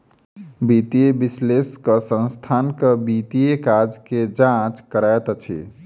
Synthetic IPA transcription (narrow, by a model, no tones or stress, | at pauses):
bit̪iebisleskəsə̃nst̪ʰankəbit̪ijekad͡ʒked͡ʒãt͡ʃkəɾaet̪t͡ʃʰḭ